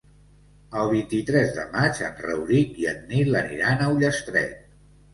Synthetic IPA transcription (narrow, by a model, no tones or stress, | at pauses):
əlˠβint̪it̪ɾɛzðə̰mat͡ʃənrə̰wɾit̪iəd̪̚nilənḭɾanəuʎəst̪ɾɛ̰t̪̚